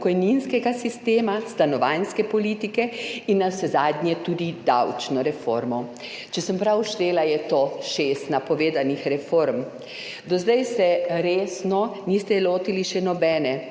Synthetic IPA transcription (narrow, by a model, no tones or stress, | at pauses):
pkɔjninskɛɡasist̪eːmast̪anɔʋajnskɛpɔliːt̪ikɛinːawsɛzaːd̪ɲjɛt̪uːd̪id̪awt͡ʃnɔɾɛfo̰ɾmɔ | t͡ʃɛsəmpɾawʃt̪eːlajɛt̪oːʃeːst̪napɔʋeːd̪anixɾɛfoɾm | d̪ɔzd̪ajsɛɾeːsnɔnist̪ɛloːt̪iliʃɛnɔbɛːnɛ